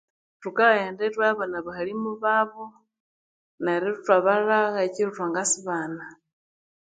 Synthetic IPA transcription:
tukajeːndetwaβonaβaxalimuβaβo | naɾitutwaβalaɣaciɾutwaːŋɡasiβaːna

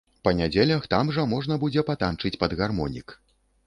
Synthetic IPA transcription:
pɐnʲad͡zʲelʲɐxt̪amʐɐmɔʐnɐbud͡zʲɛpat̪ant͡ʂɨt͡sʲpɐd̪ɣarmɔnʲḭk

